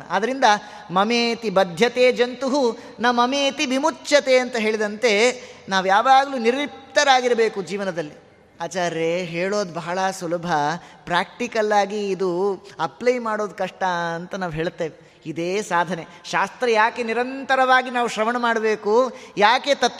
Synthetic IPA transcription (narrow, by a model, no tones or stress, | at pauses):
ɐd̪ɐɾind̪ɐ | mɐmeːt̪ibɐd̪ʱjɐt̪eːd͡ʒɐnt̪uɦu | namɐmeːt̪ibimut͡ʃːʃɐt̪e̞ɐnt̪ɐɦe̞ːɭid̪ɐnt̪e̞naːʋujaːʋaːɡɐluːniɾip̚t̪ɐɾaːɡiɾɐbe̞ːkud͡ʒiːʋɐnɐd̪ɐlːi | aːt͡ʃaːɾeɦeːɭo̞ːd̪bɐɦɐɭɐsulɐbʱɐpɾaːk̚ʈikɐlːaːɡiːd̪uɐplɐjmaːɽo̞ːd̪kɐʂʈɐɐnt̪ɐnaːʋɦe̞ːɭt̪ːeːʋe | id̪eːsaːd̪ʱɐne̞ʃaːst̪ɾɐjaːke̞niɾɐnt̪ɐɾɐʋaːɡinaːʋuʃɾɐmɐɳɐmaːɽɐbe̞ːkujaːke̞t̪ɐt̪